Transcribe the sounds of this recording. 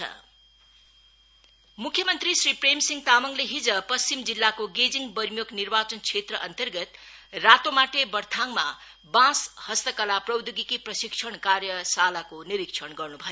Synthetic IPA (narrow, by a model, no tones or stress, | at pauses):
ʌ̰ | mukʰjʌmʌnt̪risripremsiŋɡt̪amʌŋleɦid͡zʌpʌst͡ɕimd͡zilːakoɡed͡ziŋbʌɾmjoknirbat͡sʌnt͡sʰet̪rʌʔʌnt̪ʌrɡʌt̪ | rat̪omaʈebʌrt̪ʰaŋma̰ | bãshʌst̪ʌkʌlaprʌwd̪uɡikiprʌsiksʰʌɳkarjʌsalakoniɾikt͡sʰʌɳɡʌrnubʱʌjo